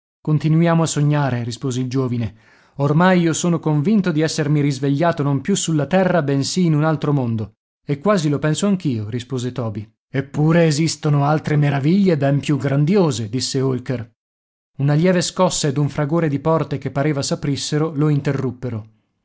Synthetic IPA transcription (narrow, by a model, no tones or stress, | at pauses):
kont̪inujaːmoasːoɲːaːɾeɾispoːzeild͡ʒoːvine | ormajiːosoːnokoɱvint̪od̪iɛsːermiɾizveʎːaːt̪onompjusulːat̪ɛrːabensiːnunalt̪ɾomond̪o | ekːwaːzilopɛnsoaŋk̟iːoɾispoːzet̪ɔːbi | epːuːɾeːzist̪onoalt̪ɾemeɾaviʎːebɛmpjuɡɾand̪joːzed̪isːeolker | unaljɛːveskɔsːaed̪uɱfɾaɡoːɾed̪ipɔrt̪ekepːaɾeːvasapɾisːeɾoloint̪erːupːeɾo